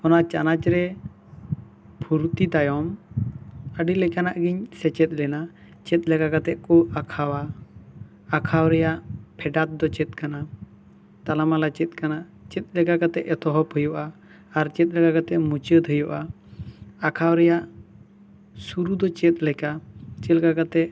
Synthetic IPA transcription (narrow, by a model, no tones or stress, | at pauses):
kɔnat͡ʃanat͡ʃɾɛ | pʰuɾt̪it̪ajɔm | əɖilɛkanaʔɡiɲsɛt͡ʃɛt̪̚lɛna | t͡ʃɛt̪̚ˀlɛkakat̪ɛʔkɔakʰawaː | kʰawɾɛjaʔpʰɛɖat̪̚d̪ɔt͡ʃɛt̪̚kana | t̪alamalat͡ʃɛt̪̚kanaʔ | t͡ʃɛt̪̚lɛkakat̪ɛʔɛt̪ʰɔɦɔphəjɔʔaː | ɾt͡ʃɛt̪̚lɛkakat̪ɛʔmut͡ʃəd̪ɦəjɔʔa | akʰawɾɛjaʔ | suɾud̪ɔt͡ʃɛt̪̚lɛkat͡ʃɛlkakat̪ɛʔ